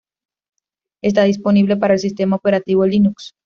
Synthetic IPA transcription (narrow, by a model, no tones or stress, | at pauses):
e̞s̬t̪aðisponiβle̞paɾaelsis̬t̪e̞maope̞ɾat̪iβolinuks